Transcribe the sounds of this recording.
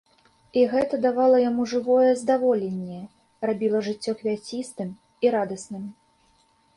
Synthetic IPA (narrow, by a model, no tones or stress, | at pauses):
iɣɛt̪ɐd̪avalˠɐjamuʐɨvɔjɛzd̪avɔlʲenʲːɛ | rabʲilˠɐʐɨt͡sʲːɔxvʲat͡sʲist̪ɨm | iɾad̪ɐsnɨm